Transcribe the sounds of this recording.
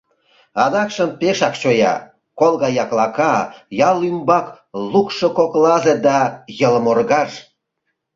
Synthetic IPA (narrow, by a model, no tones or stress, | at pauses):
ɑd̪ɑkʃəmpeʃɑkt͡ɕojɑ̰ | kolɣɑjɑklɑkɑjɑlymbɑk | lukʃokoklɑzed̪ɑjələmorɣɑʃ